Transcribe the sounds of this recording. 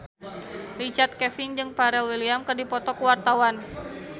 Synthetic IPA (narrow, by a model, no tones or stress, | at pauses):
rit͡ʃart̪̚kɛfɪnd͡ʒɨŋpaɾɛlwiliamkɨrdipɔt̪ɔkəwart̪awan